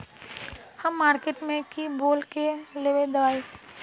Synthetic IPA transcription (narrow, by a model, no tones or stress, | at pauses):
hɐmːaːɾkeːʈmẽkiboːlkeleːʋed̪ɐʋaːi